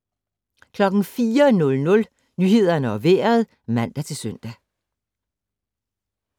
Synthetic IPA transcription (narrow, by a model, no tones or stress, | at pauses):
kʰlɒ̽ɡ̥n̩fiːɐnɔ̽lnɔ̽l | nyːhe̝ð̞̰ˠɐnəɒ̽ʋeːɐð̞̩ˠ | mæn̰d̥æt͡sʰe̝lsøn̰d̥æ